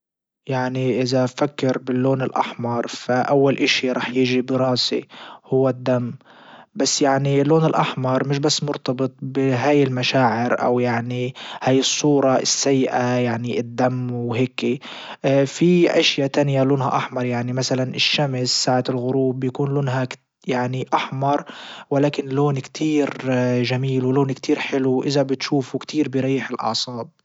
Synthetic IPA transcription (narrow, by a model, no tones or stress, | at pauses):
jaʕniʔɪzafakːɪɾbɪlːoːnɪlʔa̰ħmɑɾˤfaʔawːalʔɪʃiɾˤɑːħjɪʒibɾˤɑːsḭhʊwːad̪ːamː | basːjaʕniɪlːoːnɪlʔaħmɑɾˤmɪʃ̬basːmʊɾt̪ɑbɨt̪ˤbɪɦaːjɪlmaʃaːʕɪɾʔa̰wjaʕnihaːjɨsˤːuːɾˤɑɪ̰sːajːɪʔajaʕniɪd̪ːamːwɦeːki | fiʔaʃjat̪anjaloːnɦa̰ʔaħmɑɾˤjaʕnimasalanʔɪʃːamsːaːʕaɪlɣʊɾuːbjakuːnloːnɦa | jaʕniʔaħmɑɾˤwɪlaːkɪnloːnkt̪ʰiːɾʒamiːlwloːnkt̪ʰiːɾħɪluʔɪzabɪt̪ʃuːfukt̪ʰiːɾbɪɾˤɑjːɪħɪlʔɑ̰ʕsˤɑːb̚